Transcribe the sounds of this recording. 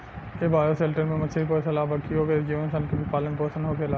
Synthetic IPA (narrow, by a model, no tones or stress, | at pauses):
eːbaːjoseːlʈəɾmẽmɐt͡ʃʰeipoːsɐlaːbʱɐkʰioːked͡ʒiʋə̃nsɐnkibʱipaːləɳpoːɾsənɦoːkʰelaː